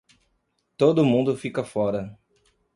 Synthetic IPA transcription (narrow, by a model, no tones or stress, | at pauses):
t̪od̪ʊmũnd̪ʊfikɐfɔɾɐ